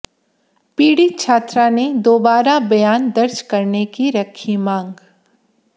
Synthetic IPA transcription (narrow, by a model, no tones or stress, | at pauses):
piːɽit̪̚t͡ʃʰaːt̪ɾaned̪oːbaːɾabɐjaːnd̪ɐɾd͡ʒkɐɾnekiɾɐkʰimãːŋɡ